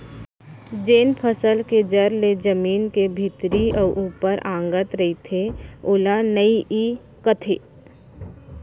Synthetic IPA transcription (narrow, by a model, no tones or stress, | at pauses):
d͡ʒeːnpʰəsəlked͡ʒəɾled͡ʒəmiːnkebʱɪt̪ɾiɔːɾʔuːpəɾʔãːŋɡət̪ɾəɦit̪ʰeoːlanəiʔi | kət̪ʰeː